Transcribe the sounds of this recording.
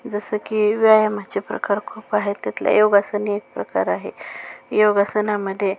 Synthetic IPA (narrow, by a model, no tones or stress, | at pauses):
d͡zəsəkiʋiajamat͡ɕepɾə̰kaɾkʰuːpaɦet̪at̪la̰joɡasəniek̚pɾəka̰ɾaɦḛjoɡasənaməd̪ʱːje